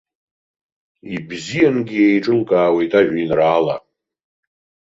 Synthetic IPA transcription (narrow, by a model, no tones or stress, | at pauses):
ibzijanɡʲijejʈ͡ʂʼɨlkʼaːwejtʼaʒᶣinraːla̰